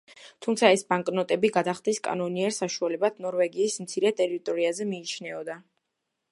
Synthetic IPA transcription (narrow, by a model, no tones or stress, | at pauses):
t̪ʰumt̪sʰaɛsbaŋkʼnɔt̪ʼɛbiɡad̪aχd̪iskʼa̰nɔniɛɾsaʃualɛbad̪nɔɾvɛɡiːsmt̪sʰiɾɛt̪ʼɛɾit̪ʼɔɾiazɛmiːt͡ʃʰnɛɔd̪a